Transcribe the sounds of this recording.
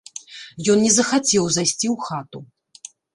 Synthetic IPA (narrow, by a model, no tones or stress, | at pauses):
jɔnnʲɛzɐxat͡sʲɛwzajsʲt͡sʲiwxat̪u